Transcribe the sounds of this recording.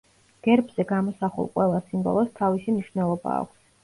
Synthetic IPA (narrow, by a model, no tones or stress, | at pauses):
ɡ̥ɛɾbz̥ɛɡamɔsaχṵlˠqʼwɛlˠasimbɔ̰lˠɔst̪ʰavisimniʃvnɛlˠɔba̰ːkʷʰs